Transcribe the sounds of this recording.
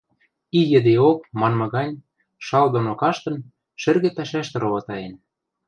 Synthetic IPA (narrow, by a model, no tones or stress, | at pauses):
ijɘ̆d̪eok̚mɑnmɤ̆ɣɑnʲ | ʃɑld̪onokɑʃt̪ɤ̆n | ʃɘ̆rɣĕpæʃæʃt̪ĕɾoβɑt̪ɑjen